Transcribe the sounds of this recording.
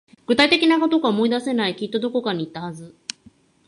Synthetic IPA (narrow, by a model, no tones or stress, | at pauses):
ɡ̥ɯ̟t̪ait̪e̞kʲinako̞t̪o̞ɡaomo̞id̪ase̞naikʲit̪ːo̞d̪o̞ko̞kaɲ̟iːt̪ːahazɨ